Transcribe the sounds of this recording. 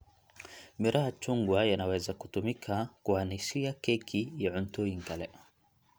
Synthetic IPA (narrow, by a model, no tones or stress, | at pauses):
miɾahat͡ʃuŋɡwajanawɛzakutumikʰakuanisiakɛkʰijaʕuntɔiŋkalɛ̰